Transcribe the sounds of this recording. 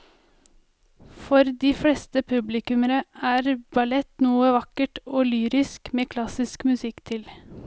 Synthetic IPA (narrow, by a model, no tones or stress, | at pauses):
fɔɾd̪iːflɛst̪əpʰʉblɪkʉməɾəæːɾbɑlɛt̪nuːəʋɑkəʈoːlyːɾɪskmeːkʰlɑsɪskmʉsɪkːt̪ʰɪl